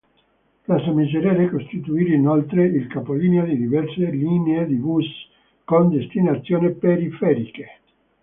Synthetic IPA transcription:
pɾasamiseɾaːɾekost̪it̪uiːɾeinolt̪ɾeilkapoliːneod̪id̪ivɛrselineed̪ivus | kond̪est̪inat̪sːjoːnipeɾifɛːɾike

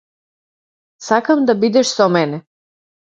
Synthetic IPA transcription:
sakamd̪abid̪ɛʃsɔmɛnɛ

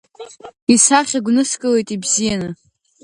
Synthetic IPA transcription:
isaχʲaɡʷnɨskʼɨle̞jtʼibzijanɨ

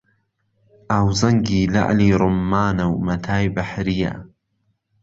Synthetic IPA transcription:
ʔaːwzɐŋɡiːla̰ʔliːɾʊmːaːnɐwmɐt̪ʰaːjbɐħɾija̰

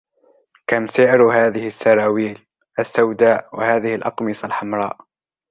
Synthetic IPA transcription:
kamsɪʕɾɦaːðɪhɪsːɑɾˤɑːwiːl | ʔasːawd̪aːʔwa̰haːðɪhɪlʔɑqmɪsˤalħamɾˤɑ̰ːʔ

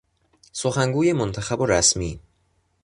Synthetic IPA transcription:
so̞xæŋɡuːjemont̪ʰæxæboɾæsmiː

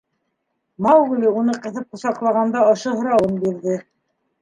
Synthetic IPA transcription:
mɑwɣlʲiunɤqɤ̆θɤp̚qŏsɑqlˠɑʁɑnd̪ɑɤ̆ʃɤɦŏɾɑwɤnbiɾðɘ

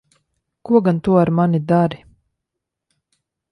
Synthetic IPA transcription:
kuɔɡant̪uɔaɾmanid̪aɾi

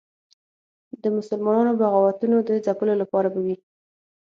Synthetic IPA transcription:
d̪əmʊsəlmɑnɑnobaɣawat̪unod̪əzapəlolapɑɾabawi

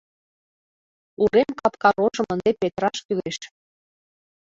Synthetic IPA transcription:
uɾemkɑpkɑɾoʒə̆mənd̪epet̪ɾɑʃkyleʃ

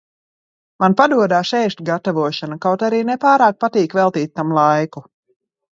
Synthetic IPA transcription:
manpad̪uɔd̪aːʃɛjʃt̪ʲɡat̪avuɔʃanakawt̪aɾiːnɛpaːɾaːk̚pat̪iːkvɛlˠt̪iːt̪̚ʲt̪ːamlˠajku

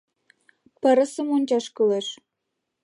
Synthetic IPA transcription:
pəɾə̆sə̆monʲt͡ɕɑʃkyleʃ

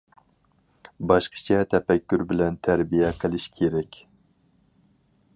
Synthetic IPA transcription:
bɑʃqʰə̥t͡ʃʰɛt̪ʰɛpɛkʲːyɾbɪlɛnt̪ʰæɾbijɛqʰəlˠɪʃkʲʰeɾɛkʲ

